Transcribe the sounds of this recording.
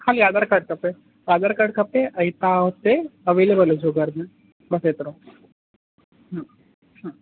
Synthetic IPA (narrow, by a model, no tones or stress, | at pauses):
kʰaːljaːd̪əɾkɐʈ̚kɐpe | jaːd̪əɾkɐʈkɐpẽʔɐit̪aɦot̪eɐʋeːlebəled͡ʒoɡəɾmẽ | bɐset̪ɾõː | ɦã | ã